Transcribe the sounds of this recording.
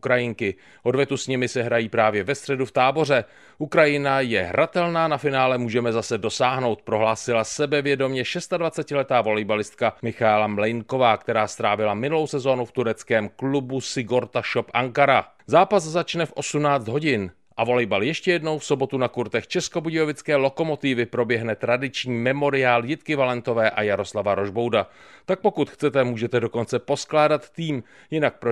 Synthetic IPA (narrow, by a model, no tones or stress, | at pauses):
kɾajɪŋkɪ | ʔo̞dvjɛt̪usɲɛmɪsɛɦɾajiːpɾaːvjɛvɛst̪r̥ɛduft̪aːbo̞rɛ | ʔukɾajɪnajɛɦɾʔat̪ɛlnaːnafɪnaːlɛmuːʒɛmɛzasɛdo̞saːɦno̞wt̪̚pɾo̞ɦlaːsɪlasɛbɛvjɛdo̞mɲɛʃɛst̪advat͡sɛcɪlɛt̪aːvo̞lɛjbalɪst̪̚kamɪxaɛlamlɛjŋko̞vaːkt̪ɛɾaːst̪ɾaːvɪlamɪnulo̞wsɛzo̞ːnuft̪uɾɛt͡skɛːmklubusɪɡo̞ɾt̪aʃo̞pʔaŋkaɾa | zaːpaszat͡ʃnɛfʔo̞sumnaːt͡sd̪ɦo̞ɟɪn | ʔavo̞lɛjbaljɛʃcɛjɛdno̞wfso̞bo̞t̪unakuɾt̪ɛxt͡ʃɛsko̞buɟɛjovɪt͡skɛːlo̞ko̞mo̞t̪ɪvɪpɾo̞bjɛɦnɛt̪ɾadɪt͡ʃɲiːmɛmo̞ɾɪaːljɪt̪kɪvalɛnt̪o̞vɛːʔajaɾo̞slavaɾo̞ʒbo̞wdat̪ak̚po̞kut̪xt͡sɛt̪ɛmuːʒɛt̪ɛdo̞ko̞nt͡sɛpo̞sklaːdat̪ːiːm | jɪnak̚pɾo